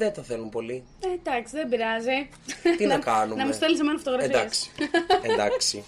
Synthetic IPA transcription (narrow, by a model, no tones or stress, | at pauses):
ðenθɐθelumpo̞li | ed̪ɐksiðembiɾɐzi | t̪inɐkɐnumnɐmust̪elisemenɐfot̪oɣɾɐfidɐɐsksi̥ed̪ɐksi